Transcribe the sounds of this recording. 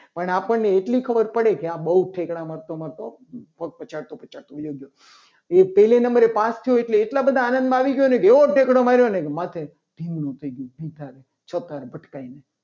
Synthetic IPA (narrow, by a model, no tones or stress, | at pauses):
pəɳapəɳːeːʈlikʰəbəɾpəɽekeãbəuʈʰekɽamaɾt̪omat̪o | pək̚t̪̚pət͡ʃaɾt̪opət͡ʃaɾt̪oʋjoɡjo | epɛɦlenəmbəɾepãst̪ʰijoeʈleːʈlabəd̪ʱaːnə̃nd̪mãaʋiɡjonekeʋoʈʰekɽomaɾjonekemat̪ʰe | d̪ʱiŋɡnõt̪ʰəiɡjõbid̪ʱaɾe | t͡ʃʰət̪aɾebʱəʈkaine